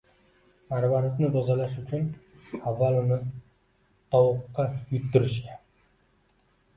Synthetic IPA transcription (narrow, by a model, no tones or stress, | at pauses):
maɾbaɾat̪nɪt̪ʰozalaʃʊt͡ʃʰʊn | avːalɪnɪ | d̪̥ɒwʊqːɑjʊt̪ːɪɾɪʃkʲa